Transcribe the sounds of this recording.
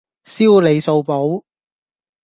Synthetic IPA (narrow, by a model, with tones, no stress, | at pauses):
siː˥wle˨˧jso˧wpo˨˥w